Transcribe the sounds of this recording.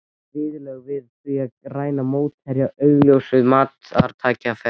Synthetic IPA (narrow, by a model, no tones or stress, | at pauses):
vɪːðɪlɛɣvɪðθviaraːjnamoːwt̪ɛɾjaœɥɣljowsʏðmaːt̪aɾt̪ʰaːcafɛ